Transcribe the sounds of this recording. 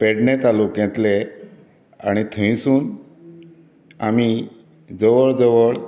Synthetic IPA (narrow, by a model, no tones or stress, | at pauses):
pɛɽnẽt̪alukɛ̃t̪le | aɽ̃it̪ʰə̃ĩsuːn | ami | d͡zəʋəɭd͡zəʋəɭ